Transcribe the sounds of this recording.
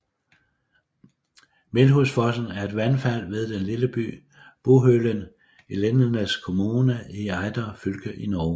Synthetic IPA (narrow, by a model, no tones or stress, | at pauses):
me̝lɦusfɒsn̩æɐe̝d̥ʋænfæl̰ʋe̝ð̞ˠd̥enliləb̥y̰ː | b̥oɦølən | elenɐnəskʰo̝muːnəiɑ̈ɪd̥ɐfylɡ̥əʔinɒː